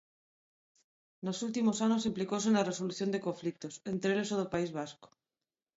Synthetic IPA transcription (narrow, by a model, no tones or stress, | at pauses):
nosult̪imosanos̬emplikos̬enareso̞luθjo̞nd̪e̞ko̞ɱflik̚t̪o̞se̞nt̪ɾelesoðopaizβ̞asko̥